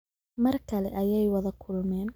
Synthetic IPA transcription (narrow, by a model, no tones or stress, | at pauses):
mɐrkʰɐlɛʔɐjɛjwɐðɐkʰʊlʊmɛːn